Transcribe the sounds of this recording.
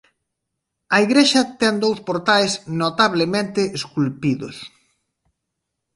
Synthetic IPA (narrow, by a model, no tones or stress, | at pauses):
ɐiɣɾeʃɐt̪ɛnd̪owspoɾt̪ajsnot̪aβ̞lemẽnt̪ɪʔeskulpiðo̰s